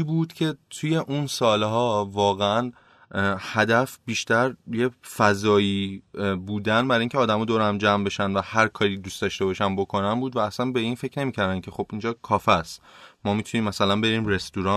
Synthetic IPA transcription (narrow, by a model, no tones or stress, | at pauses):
ibud̪̥cʰe̞t̪ʰuje̞ʔunsɒːlɦɒːvɒːɣeæn | hæd̪æfbiːʃt̪æɾjefæzɒːiːbuːd̪ænbæɾɒiŋcʰeɒːd̪æmɒːd̪oːɾæmd͡ʒæmbe̞ʃænvæhæɾkʰɒːɾiːd̪uːstd̪ɒʃt̪e̞bɒʃænbo̞kʰo̞nænbuːd̪væːsænbe̞iːnfe̞cʰne̞miːcʰæɾd̪æncʰe̞xo̞b̥ind͡ʒɒːkʰɒːfæst̪mɒːmit̪ʰuniːmːæsælænbe̞ɾiːmɾe̞st̪uɾɒ